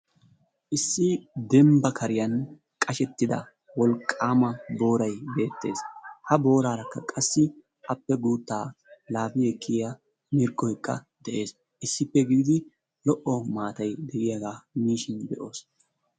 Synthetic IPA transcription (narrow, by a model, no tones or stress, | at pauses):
ʔɪsːɪd̪ɛmbɐkʰɐɾɪjɐn | kʼɐʃɛt̪ːɪd̪ɐ̰ | wɔlkʼːaːmɐbo̞ːɾɐjbe̞ːt̪ːe̞̰ːshɐbo̞ːɾaːɾɐkːɐkʼɐsːɪ | ʔɐpːɛɡuːt̪ːaːlaːbɪɛkʰːɪjɐ | mɪɾkʼːɔjkːɐ̰ | d̪ɛʔe̞ːs | ʔɪsːɪpːɛɡɪɡɪd̪ɪ | lɔʔɔmaːt̪ɐjd̪ɛɡɪjaɡaːmiːʃɪnd̪ɛʔo̞ːs